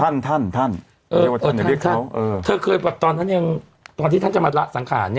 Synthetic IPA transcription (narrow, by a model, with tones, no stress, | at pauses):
a˥˩nt̪ʰa˥˩nt̪ʰa˥˩n | ʔɤː˧˩˨a˨a˥˩kt̪ʰa˥a˦˥wʔɤː˧t̪ʰɤː˧kʰɤː˧jbɛ˨˩p̚t̪ɔː˧nt̪ʰa˥˩ja˧ŋ | t̪ɔː˧nt̪ʰiː˥˩˥t͡ɕa˨˩maː˧ɾa˦˥ʔsa˩˦ŋkʰaː˩˦nːi˥˩